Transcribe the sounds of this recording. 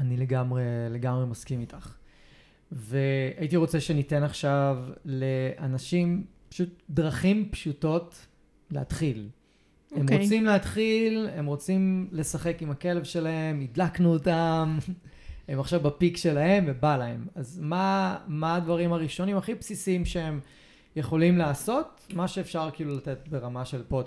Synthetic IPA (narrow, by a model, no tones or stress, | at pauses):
anile̞ɡamʁe̞le̞ɡamʁemaskimitʰaχ | veaitiʁo̞t͡seʃenite̞naχʃavleanaʃimpḁʃut̚d̪ʁaχimpʃuto̞t | leat̪χil | emʁot͡simleat̪χile̞mʁo̞t͡simle̞saχe̞kimake̞levʃe̞lahe̞midlaknuotam | emaχʃavbapikʃe̞lahe̞mvebalae̞̰mazmamaːdvaʁimaʁiʃo̞nimaχipsisiimʃeem | jeχo̞limleaso̞t | maʃeːfʃaʁkiːlulate̞t̚be̞ʁamaʃe̞lpot